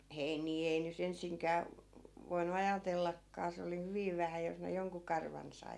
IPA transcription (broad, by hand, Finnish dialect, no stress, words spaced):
heiniː ei nyt ensiŋkæː ʋo ʋoinu ɑjɑtelːɑkːɑː se oli hyʋiʋ ʋæhæ jos ne joŋku kɑrʋɑn sɑi